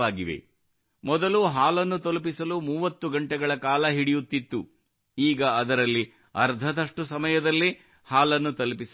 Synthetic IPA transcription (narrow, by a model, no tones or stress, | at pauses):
aːɡiʋḛ | mɔd̪ɐluɦaːlɐnːut̪olup̬isɐlumuːʋɐt̪ːuɡɐɳʈɛɡɐɭɐkaːlɐɦiɽijut̪ːit̪ːu | iːɡɐːd̪ɐɾɐlːi | ɐɾd̪ʱɐd̪ɐʂʈusɐmɐjɐd̪ɐlːi | haːlɐnːut̪ɐlupis